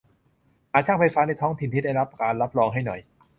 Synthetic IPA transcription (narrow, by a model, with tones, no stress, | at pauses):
ʔaː˨˩t̪̚ʰa˥˩ŋfa˧jfaː˦˥na˧jt̪ʰɔː˦˥ŋt̪ʰi˨nt̪ʰiː˥˩da˥˩jɾa˦˥p̚kaː˧nɾa˦˥p̚ɾɔː˧ŋɦa˥˩jnɔ˨˩j